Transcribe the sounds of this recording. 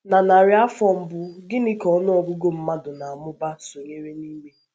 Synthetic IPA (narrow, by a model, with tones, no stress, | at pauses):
na˨na˨ɾɪ˦a˦fɔ˦m̩˦bʊ˦ɡɪ˦nɪ˦kɔ˨˦nʊ˦ɔ˨ɡʊ˦ɡo˦m̩˦ma˦dʊ˨na˨a˨mʊ˦ba˦so˨ɲe˦ɾe˦niː˦me˦